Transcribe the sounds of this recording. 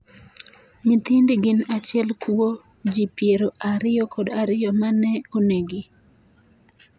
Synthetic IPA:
ɲit̪ɪndiɡɪnat͡ʃɪɛlkuwo | d͡ʒipjeɾoʔaɾɪɔkʰodaɾɪjɔmanɛoneɡɪ

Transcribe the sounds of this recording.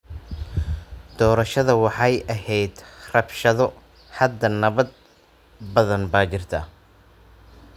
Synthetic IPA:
d̪̥ɔːɾɐʃɐðɐwɑħɑjʔɐhɛjd̪rɐbʃɐðɔ | hɐd̪ːɐnɐβɐd̪̚ | bɐðɐnbaːt͡ʃɪrt̪ʰɐ̰

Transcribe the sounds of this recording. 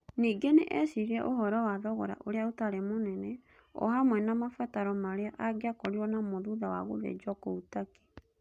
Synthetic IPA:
niːɡenḛʔɛsiɾiɛʔoɦɔɾɔwaðɔɣɔɾa̰ʔoɾeaotaɾemonɛnɛ | ɔ̰hamwɛnamafataɾɔmaɾeaʔaɡeakɔɾiwɔnamoðuðawa̰ɣo̰ðḛd͡ʒɔkoutake̥

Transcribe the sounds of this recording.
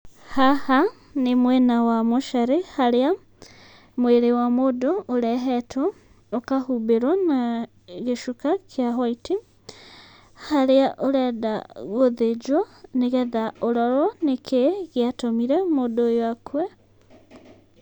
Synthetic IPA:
haha | nemwɛnawamoʃaɾehaɾea | mweɾewamodoːɾɛɦɛtʰɔ | okahubeɾwana | ɣeʃukakʰjaɦwaiti | haɾeaʔoɾɛdaɣoðed͡ʒwɔneɣɛðaoɾɔɾɔnekʰeɣeatomiɾɛmodojoakʰwɛ

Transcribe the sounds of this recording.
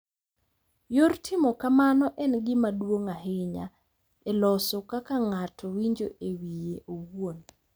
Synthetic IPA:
jortʰɪmɔkamanɔʔɛnɡɪmadwoŋaɦɪɲa̰ | ɛlɔsɔkakaŋatʰɔwiɲd͡ʒo̰ʔewijeʔowon

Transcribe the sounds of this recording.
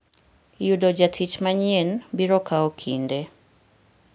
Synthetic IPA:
judɔd͡ʒatʰit͡ʃmaɲɛnbiɾɔkaɔkʰindɛ

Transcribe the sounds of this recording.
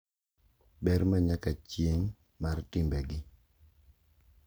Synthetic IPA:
bɛɾmaɲakat͡ʃjeŋ | martɪmbɛɡɪ

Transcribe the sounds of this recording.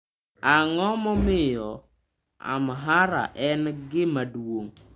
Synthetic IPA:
aŋɔmɔmɪjɔ | a̰mɦaɾa̰ʔɛnɡɪmadwoŋ

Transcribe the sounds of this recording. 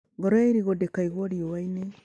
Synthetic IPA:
ɡoɾoiɾiɣodekaiɣwoɾiowaine

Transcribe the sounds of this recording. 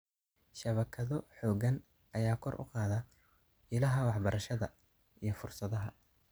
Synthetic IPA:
ʃɐβɐkʰɐðɔħɔːɣɐn | ʔɐjaːkʰɔrʔʊ̰qɑːðɐ | ɪlɐɦɐwɑħbɐɾɐʃɐðɐ | ʔijɞfʊrsɐðɐɦɐ

